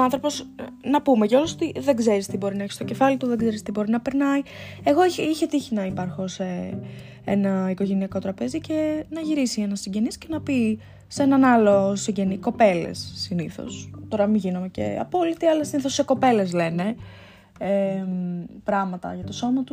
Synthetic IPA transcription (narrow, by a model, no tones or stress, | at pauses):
oɐ̃nθɾo̞po̞snɐpume̞ʝɐolosot̪iðe̞ɡze̞ɾist̪ibo̞ɾinɐeçi̥st̪o̞ce̞fɐlit̪uðeɡze̞ɾist̪ibo̞ɾinɐpe̞ɾnɐie̞ɣo̞içiçe̞t̪içinɐipɐɾxo̞se̞ | enɐiko̞ʝe̞niɐko̞t̪ɾɐpe̞zice̞nɐʝiɾisie̞nɐsːiɲɟe̞nisce̞nɐpi | se̞nɐnɐlo̞siɲɟe̞niko̞pe̞lḛsːiniθo̰st̪o̞ɾɐmiʝinome̞ce̞̰ɐ̰po̞lit̪iɐlɐsiniθosːe̞ko̞pe̞le̞sle̞ne̞ | e | pɾɐɣmɐt̪ɐ̰ʝɐt̪o̞so̞mɐt̪u